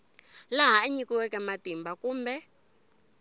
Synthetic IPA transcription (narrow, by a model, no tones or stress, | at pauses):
laɦaɛɲikiwɛkɛmatimbakuːmbɛ